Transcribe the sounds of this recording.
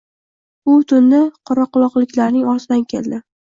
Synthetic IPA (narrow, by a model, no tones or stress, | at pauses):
ʊt̪ʰʊnːɪqʰɒɾɒqʊlˠɒqlɪkʲlaɾnɪŋɒɾsɪd̪ankʲʰe̞̰ld̪ɪ